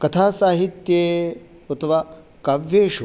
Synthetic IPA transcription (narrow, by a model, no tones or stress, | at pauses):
kɐt̪ʰaːsaːɦit̪jeː | ɐt̪ʰoʋaː | kaʋjeːʃu